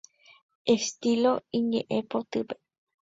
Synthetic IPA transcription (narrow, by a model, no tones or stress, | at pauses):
est̪iloĩɲḛ̃ʔẽpot̪ɨpe̥